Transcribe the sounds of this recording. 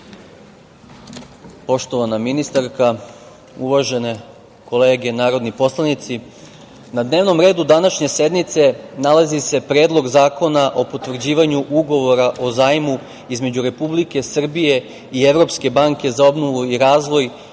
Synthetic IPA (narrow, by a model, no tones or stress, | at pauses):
po̞ʃt̪o̞ʋanaminist̪aɾka | uʋaʒe̞ne̞ | ko̞le̞ːɡe̞naːɾo̞d̪nipo̞slˠanit̪si | nad̪ne̞ːʋno̞mɾe̞ːd̪ud̪anaʃɲe̞se̞d̪nit̪se̞nalazise̞pɾeːd̪lˠo̞ɡzaːko̞naʔo̞po̞t̪ʋr̩d͡ʑiːʋaɲuʔuɡo̞ʋo̞ɾaʔo̞zaːjmu | izme̞d͡ʑuɾe̞publike̞sr̩bije̞ | ieʋɾo̞pske̞baŋke̞zao̞bno̞ʋuiɾaːzʋo̞j